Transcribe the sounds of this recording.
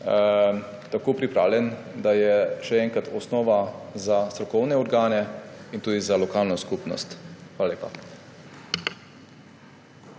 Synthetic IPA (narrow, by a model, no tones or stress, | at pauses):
t̪akoːpɾipɾa̰ːwlʲjɛn | d̪ajɛʃɛɛːŋkɾat̪ɔsnɔːʋazast̪ɾɔkɔwnɛɔɾɡaːnɛint̪uːd̪izalɔkaːlnɔskuːpnɔ̰st̪xʋaːlaleːpa̰